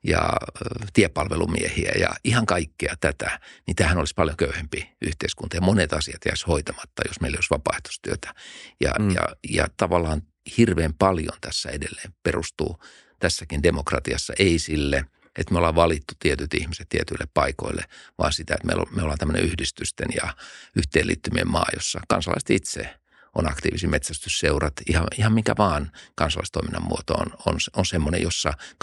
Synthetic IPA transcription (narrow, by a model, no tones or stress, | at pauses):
jɑ̰t̪iepɑlʋelṵmḭehiæjɑ̰ihɑŋkɑikːiɑt̪æt̪ænit̪æːhænolispɑljoŋkøyhempiʔyht̪eiskunt̪ɑjɑmonet̪ɑsiɑt̪jæishoit̪ɑmɑt̪ːɑjosmeiljosʋɑpɑeht̪u̥st̪yøt̪æ̥jɑjɑ̰jɑt̪ɑʋɑlːˑɑːn | hirʋeːmpɑljo̰nt̪æsːæedelːeːmperust̪ṵː | t̪æsːækindemokrɑt̪iɑsːɑ̰ʔeisilːe | et̪meolɑːʋʋɑlit̪ːu̥t̪iet̪yt̪ihmiset̪t̪iet̪yilːeppɑiko̰ilːḛʋɑ̰ːnsit̪æet̪mḛilo̰meolɑnt̪æmːənḛʔyhdist̪yst̪enjɑyht̪eːlːḭːt̪ːymiḛmmɑ̰ːjosːɑkɑ̰nsɑlɑ̰ise̥t̪it̪sḛ | onɑkt̪iːʋisimet̪sæst̪ysseurɑt̪ihɑihɑmmiŋkæʋɑːnkɑnsɑlɑ̰ist̪oiminːɑmuot̪o̰o̰nonsonsemːonḛjosːɑk